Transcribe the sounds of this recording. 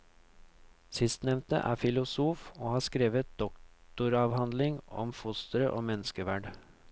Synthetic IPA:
sɪst̪nɛʋnt̪ə̰ʔæ̰ːfɪlʊsuːfoːhɑːskɾeːʋət̪̚d̪̥ɔktt̪ʊɾɑːʋhɑnd̪lɪŋɔ̰mfʊst̪əɾəʔoːmɛnəskəʋæːɖ

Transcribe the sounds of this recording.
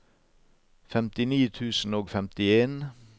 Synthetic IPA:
fɛmt̪ɪniːt̪ʰʉːsn̩oːɡfɛmt̪ɪeːn

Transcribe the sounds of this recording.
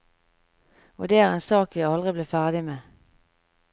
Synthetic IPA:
o̰ːd̪eːæːʁeːnsɑːkʋiɑlʁɪbleːfæʁd̪ɪmeː

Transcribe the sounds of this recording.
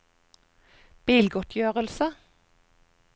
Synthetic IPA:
b̥iːlɡɔt̪ʰjøːʁəlsə

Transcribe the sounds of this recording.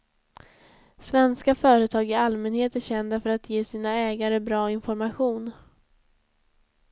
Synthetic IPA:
svɛnskafœːɾət̪ʰɑːɡɪalmɛnheːt̪æɕɛnd̪afœɾat̪jeːsiːnaɛːɡaɾəbɾɑːɪnfɔɾmaɧuːn

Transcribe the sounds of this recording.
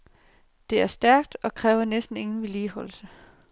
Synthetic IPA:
d̥e̝æɐsd̥æɐ̰ɡ̥d̥ɒ̽kʰʁɛːʊɐnesd̥n̩e̝ŋn̩ʋeliːhɒ̽l̰sə

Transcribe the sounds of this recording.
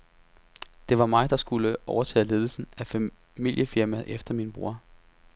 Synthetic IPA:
d̥e̝ʋɑ̈mɑ̈ɪd̥ɑ̈sɡ̥uləʔɒʊɐt͡sʰɛ̰ːðˠle̝ːð̞ˠl̩sn̩æfæ | mil̰jəfiɐmæð̩ˠʔefd̥ɐminb̥ʁṵɐ̰

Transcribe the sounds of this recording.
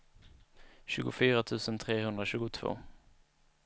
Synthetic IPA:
ɕʉ̟ːɡʊfyːɾat̪ʰʉ̟ːsənt̪ʰɾeːhɵnd̪ɾaɕʉ̟ːɡʊt̪ʰv̥o̰ː

